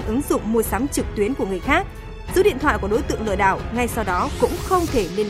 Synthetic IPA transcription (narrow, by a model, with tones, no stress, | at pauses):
nʔɨ˨˦ŋzʊ̰˧˨ŋ͡mmu˨˩jsaː˨˦mt͡ɕɨ˨˩k̚t̪wi˨˦ənku˧˩əŋ˨˩əjxaː˦˥k̚ | zɨ̰˧˥ɗḭ˧˨nt̪ʰwa̰ː˧˨jku˧˩ɗo˨˦jt̪ɨ̰˧˨əŋlɨ̰˧˨ɗa̰ː˧˩wŋa˧jsa˧wɗɔ˨˦kʊ̰˧˥ŋ͡mxə˧wŋ͡mt̪ʰe˧˩li˧n